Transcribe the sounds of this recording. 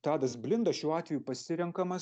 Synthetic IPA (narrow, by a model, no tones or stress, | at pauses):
t̪ɑːd̪ɐsbʲlʲɪnd̪ɐʃʲuːɑːt̪ʲʋʲɛjuːpɐsʲɪɾʲɛŋkɐmɐ